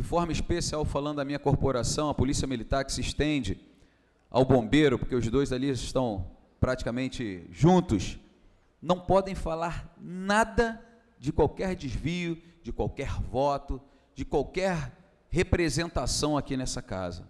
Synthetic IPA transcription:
d͡ʒɪfɔɾmɐiʃpesiawfalɐ̃nd̪ʊd̪ɐmĩɲɐkoɾpoɾasɐ̃w̃ɐpolisiɐmilit̪aɾkɪ̥sɪːʃt̪ẽd͡ʒɪ | a̰wbõmbejɾʊpoɾkeʊzd̪ojzalizɪʃt̪ɐ̃w̃ | pɾat͡ʃi̥kɐmẽnt͡ʃɪʒũnt̪ʊs | nɐ̃w̃pɔd̪ẽj̃falaɾnad̪ɐ | d͡ʒɪkwawkɛɾd͡ʒɪzvijʊd͡ʒɪkwawkɛɾvɔt̪ʊ | d͡ʒɪkwawkɛɾ | hepɾezẽnt̪asɐ̃w̃akinɛsɐka̰zɐ̰

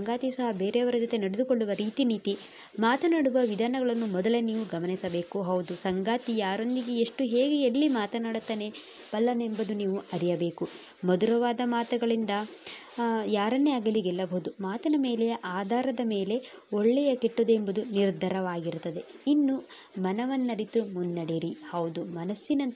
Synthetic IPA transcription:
ɐŋɡaːt̪isɐɦɐbe̞ːɾeɐʋɐɾɐd͡ʒot̪e̞nɐɽed̪ukoɭːuʋɐɾiːt̪iniːt̪i | maːt̪ɐnaːɽuʋɐʋid̪ʱaːnɐɡɐɭɐnːumɔd̪ɐleniːʋuɡɐmɐnisɐbe̞ːkuɦɐwd̪usɐŋɡaːt̪ijaːɾo̞nd̪iɡeeʂʈuɦe̞ːɡeelːimaːt̪ɐnaːɽut̪ːaːne̞ | pɐlːɐne̞mbɐd̪uniːʋuʔɐɾijɐbe̞ːku | mɐd̪uɾɐʋaːd̪ɐmaːt̪ɐɡɐɭind̪ɐ | jaːɾɐnːeaːɡɐliɡɛlːɐbɐɦud̪umaːt̪ɐnɐme̞ːlɛjɐʔaːd̪ʱaːɾɐd̪ɐme̞ːle̞ | oɭːɛjɐkeʈːud̪embɐd̪uniɾd̪ʱɐɾɐʋaːɡiɾut̪ːɐd̪e̞ | inːu | mɐnɐʋɐnːɐɾit̪umund̪ːɐɽiɾihɐwd̪umɐnɐsːinɐn

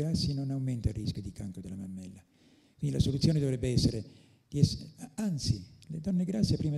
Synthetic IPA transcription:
ɾasːinonawmɛnt̪alrːiskjod̪ikaŋkod̪elamamːɛlːa | kwind̪ilasolut̪sjoːned̪ɔvɾɛbːeɛsːeɾe | d̪iɛsant̪siled̪ɔnːeɡɾasːiapːɾiːma

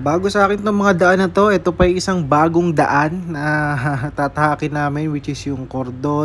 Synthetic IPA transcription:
baːɡosɐʔaːkɪnt̪oŋmɐŋad̪ɐʔanːɐt̪o̞ʔɛt̪o̞pɐɐjʔɪsaŋbaːɡoŋd̪ɐ̰ʔanːɐt̪at̪ɐhaːkɪnaːmɛnwɪt͡ʃɪsjʊŋkoɾd̪o

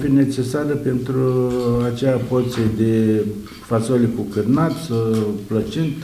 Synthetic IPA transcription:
fine̞t͡ʃe̞saɾəpe̞nt̪ɾuat͡ʃeapot̪sed̪e | fasolekukɨrnat̪splət͡ʃint̪

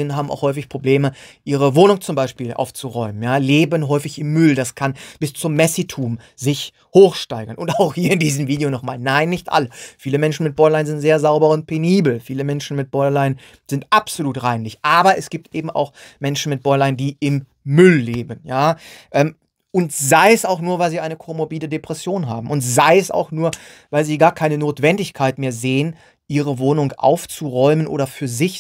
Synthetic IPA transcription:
ɪnənɦaːbm̩ʔa̰ʊxhɔʏfɪçpʁ̥obleːməʔiːʁ̞əvoːnʊŋt͡sʊmbaɪʃpiːlʔa̰ʊft͡suʁɔʏmənjaːleːbənɦɔʏfɪçɪmːʏldaskʰanb̥ɪst͡sʊmːɛsitʰuːm | zɪç | hoːxʃtaɪɡɐnʊntaʊxhiːɐɪndiːzəmviːdejonɔχmaːlnaɪnːɪçtʔa̰ləfiːləmɛnʃn̩mɪt̚b̥ɔɪlaɪnzɪntz̥eːɐzaʊbɐʊnt̚pʰeniːbl̩fiːləmɛnʃn̩mɪt̚b̥ɔʏlaɪən | z̥ɪntʔapz̥oluːtʁaɪnlɪçʔaːbɐʔɛsɡ̥iːp̚tʔeːbm̩ʔa̰ʊxmɛnʃn̩mɪt̚b̥ɔɪlaɪndiːʔɪmː | ʏlːeːbn̩jaːʔɛːm | ʔʊntz̥aɪɛsaʊxnuːɐvaɪlziːaɪnəkʰomobiːlədepʁ̥ɛsjoːnɦa̰ːbm̩ʊntz̥aɪɛsa̰ʊxnuːɐvaɪlziːɡaːɐkʰaɪnənoːtv̥ɛndɪçkʰaɪtmeːɐzeːən | ʔiːʁəvoːnʊŋʔa̰ʊft͡suʁɔʏmənʔo̰ːɾɐfyːɐzɪç

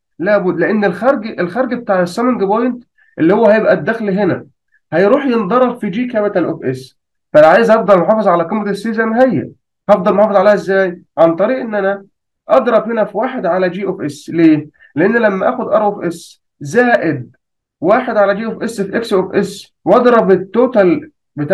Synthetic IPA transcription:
læːbud̪leʔenːelxæɾˤɡʔelxæɾˤɡb̚et̪aːʕesːæmenɡebojnt̪ | ʔelːihowːæhæjebʔæd̪ːæxliɦenæ | hæjɾuːħjend̪ˤɑɾˤɑbfid͡ʒiːkæmæt̪ælʔofʔes | fælʕaːjezʔɑfd̪ˤɑlmoħɑːfezˤʕalæqemɾɑt̪esːiːzæmɦæjːæ̰ | hɑfd̪ˤɑlmħɑːfezˤʕaleːhezːæːjʕant̪ˤɑɾiːʔenːʔænæ | ʔɑd̪ɾˤɑbhenæfiwaːħed̪ʕalæd͡ʒiːʔofʔesleː | leʔenːlæmːæʔæːxod̪ʔɑɾˤʔefʔes | zæːʔed̪̚ | waːħed̪ʕalæd͡ʒiːʔofʔesːfiʔeksʔofʔes | wʔɑd̪ɾˤɑbet̪ːoːt̪æl | bet̪a

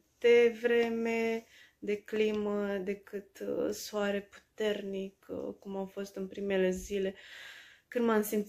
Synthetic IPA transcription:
d̪e̞vɾe̞me̞ | d̪e̞kliməd̪e̞kɨt̪soaɾe̞pu̥t̪e̞rnikkumawfo̞st̪ɨnpɾime̞le̞zile̞ | kɨnmamsim

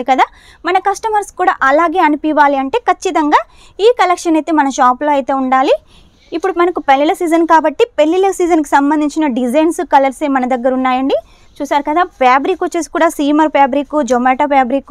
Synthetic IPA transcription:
ikɐd̪aː | mɐnɐkɐsʈɐmɐɾskuːɽa̰ːʔɐlaːɡe̞ːɐnipiʋaːliɐɳʈe̞ːkɐt͡ʃːit̪ɐŋɡaː | iːkɐlekʂɐnɐjt̪e̞ːmɐnɐʃaːploːɐjt̪e̞ːuɳɖaːliː | pːuɽumɐnɐkupelːilɐsiːd͡ʒɐnkaːbɐʈːipelːilɐsiːd͡ʒɐnk̬i̥sɐmbɐnd̪iɲt͡ʃinɐɖid͡ʒɐjnskɐlɐɾseːmɐnɐd̪ɐɡːɐɾunːaːjɐɳɖi | t͡ʃuːsaːɾukɐd̪aːpjaːbɾikʋot͡ʃːe̞ːsi̥kuːɽaːsiːmɐɾpjaːbɾikud͡ʒomeːʈɐpjaːbɾik

